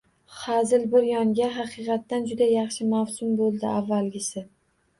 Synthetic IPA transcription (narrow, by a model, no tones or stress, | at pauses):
χazɪlbɪɾjɒŋɡʲaɦɑqɨqʰɑt̪ːand͡ʒʊd̪ajɑχʃɪmawsʊmbolˠd̪ɪavːalɡʲɪsɪ